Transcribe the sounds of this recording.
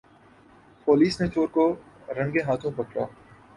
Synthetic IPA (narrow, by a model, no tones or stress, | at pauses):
poːliːsnet͡ʃoːɾko | ɾɐ̃ŋɡeɦaːt̪ʰõpɐkɽa̰ː